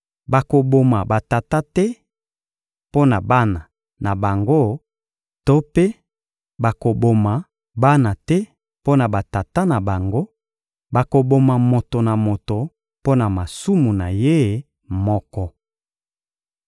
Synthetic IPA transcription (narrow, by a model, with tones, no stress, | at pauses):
ba˨ko˨bo˨ma˨ba˨ta˨ta˦tɛ˦ | po˦na˨ba˦na˨ | na˨ba˨ŋɡo˦ | to˦pe˦ | ba˨ko˨bo˨ma˨ | ba˦na˨tɛ˦ | po˦na˨ba˨ta˨ta˦na˨ba˨ŋɡo˦ | ba˨ko˨bo˨ma˨mo˨to˨na˨mo˨to˨ | po˦na˨ma˨su˦mu˨na˨je˦ | mɔ˦kɔ˦